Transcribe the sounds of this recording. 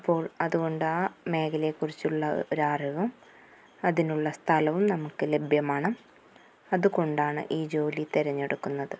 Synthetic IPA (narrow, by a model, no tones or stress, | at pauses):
ipːo̞ːɭɐðuɣo̞ɳɖɨaːme̞ːkʰɐlekːurit͡ɕːuɭːɐoɾaːriʋɐm | ɐðinuɭːɐst̪ʰɐlɐʋumnɐmukːɨle̞bʱjɐmaːɳɨ | ɐðuko̞ɳɖaːɳɨ̰ʔiːd͡ʑo̞ːlit̪eɾɐɲːe̞ɽukːunːɐðɨ